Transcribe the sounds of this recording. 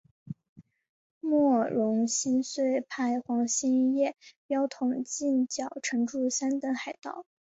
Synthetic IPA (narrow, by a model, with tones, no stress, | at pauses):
mwɔ˥˩ɻʊ˧˥ŋɕi˥nswe˥˩ɪpʰa˥˩ɪxwɑ˧˥ŋɕi˥n˥˧jɛ˥˩pjɑ˥ʊt̪ʰʊ˨˩ŋt͡ɕi˥˩nt͡ɕjɑ˨˩ʊʈ͡ʂʰɤ˧˥ŋʈ͡ʂu˥˩ɕa˥nt̪ə˧˥nxa˨˩ɪt̪ɑ̰˥˩ʊ